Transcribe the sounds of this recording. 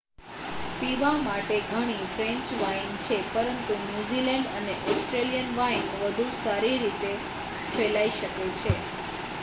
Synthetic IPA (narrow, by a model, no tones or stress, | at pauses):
piʋamaʈeɡʱəɽ̃ifɾẽɲt͡ʃʋajnt͡ʃʰepəɾənt̪unjuzilɛ̃ɳɖəneʔɔsʈɾelijənʋajnʋəd̪ʱusaɾiɾit̪e | felaiʃəket͡ʃʰe